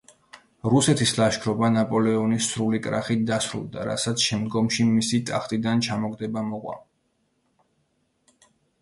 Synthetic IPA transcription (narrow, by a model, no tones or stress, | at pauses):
ɾusɛt̪ʰislˠaʃkʰɾɔbanapʼɔlɛɔnisɾulikʼɾa̰χit̚d̪asɾṵlˠd̪a̰ɾa̰sat̪sʰʃɛmd̪ɡɔmʃimisit̪ʼaχt̪ʼid̪ant͡ʃʰamɔɡd̪ɛbamɔʁʼwa̰